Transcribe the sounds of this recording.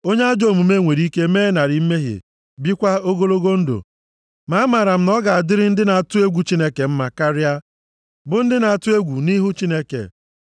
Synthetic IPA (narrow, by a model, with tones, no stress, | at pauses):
o˦ɲe˦a˦d͡ʒo˨mu˨me˦ŋʷe˨ɾi˦ke˦meː˦na˨ɾi˨˦me˦ɦḭ˨ | bi˦kʷa˦o˦ɡo˦lo˦ɡo˦n̩˦do̰˨ | ma˨a˦ma˨ɾa˨m̩˦nɔ˦ɡa˨a˨dɪ˦ɾɪ˦n̩˦dɪ˦na˨a˨tʊ˦e˦ɡʷu˨t͡ʃi˦ne˦ke˨m̩˦ma˨ka˦ɾɪ˦a˦ | bʊ˨n̩˦dɪ˦na˨a˨tʊ˦e˦ɡʷu˨ni˦ɦu˦t͡ʃi˦ne˦kḛ˨